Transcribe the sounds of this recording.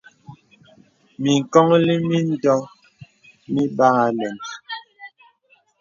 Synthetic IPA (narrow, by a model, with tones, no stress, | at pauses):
mi˨ŋ̩˨kɔ˦ŋli˦mi˦n̩˦dɔ˦ | mi˦ba˦ŋa˨lɛ˨n